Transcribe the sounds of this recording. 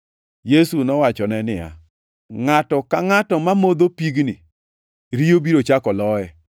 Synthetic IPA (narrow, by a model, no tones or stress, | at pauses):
jesunɔwat͡ʃɔnɛnɪja̰ | ŋatɔkaŋatɔmamod̪opiɡni | ɾiobiɾot͡ʃakɔlɔɛ